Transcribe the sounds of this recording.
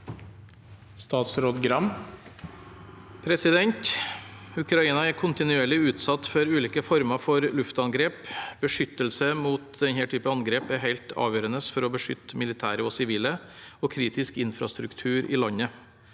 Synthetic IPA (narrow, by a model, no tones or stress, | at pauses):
st̪ɑːt̪sɾoːd̪ɡɾɑm | pʰɾɛsɪd̪ɛnt̪ | ʉkɾɑiːnɑæɾkʰʊnt̪ɪnʉeːɭɪʉːt̪sɑt̪ːfɔɾʉːliːkəfɔɾmɑfɔɾlʉft̪ɑnɡɾeːpbəʂʏt̪ːəlsəmuːt̪̚d̪ɛnhɛːʈʰyːpəɑnɡɾeːpæhæɪlt̪ʰɑ̰ːʋjøːɾənəsfɔɾɔbəʂʏ̰t̪ːmɪlɪt̪ʰæ̰ːɾəoːsɪʋiːləoːkʰɾiːt̪ɪskɪnfɾɑ̰st̪ɾʉkt̪ʰʉːɾʔḭːlɑɲə